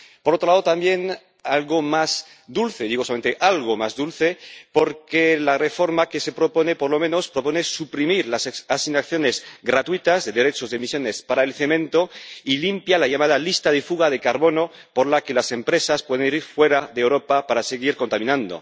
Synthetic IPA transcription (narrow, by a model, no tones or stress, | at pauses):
poɾot̪ɾolaðot̪ambje̞n | alɣomas | d̪ulθe̞ðiɣsoament̪eʔalɣ̞omazðulθe̞po̞ɾkelare̞fo̞ɾmakese̞pɾo̞po̞ne̞poɾlo̞mẽno̞spɾo̞po̞ne̞supɾimiɾlasasinak̚θjo̞nezɡɾat̪wit̪azðe̞ðe̞ɾe̞t͡ʃozðemisjo̞ne̞spaɾaelθe̞mẽnt̪o̞ilimpjalaʝamað̞alist̪aðefuɣaðe̞kaɾβo̞no̞ | poɾlakelase̞mpɾe̞saspwe̞ð̞e̞niɾiɾfwe̞ɾaðeːwɾo̞papaɾase̞ɣ̞iɾkont̪amĩnãnd̪o̰